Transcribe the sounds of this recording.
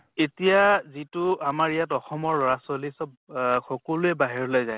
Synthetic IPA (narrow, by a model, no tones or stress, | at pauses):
etijazitʊamaɹijatɔxɔmɔɹɔɹasolisɔb | xɔkɔluɛbaɦiɹɔlojzaj